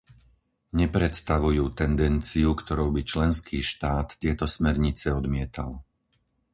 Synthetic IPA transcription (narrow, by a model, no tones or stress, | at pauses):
ɲɛpɾɛt̪st̪aʋujuːt̪ɛnd̪ɛnt͡siukt̪ɔɾuʊbit͡ʃlɛnskʰiːʃt̪aːt̪ːɪɛt̪ɔsmɛɾɲit͡sɛɔd̪mɪɛt̪a̰l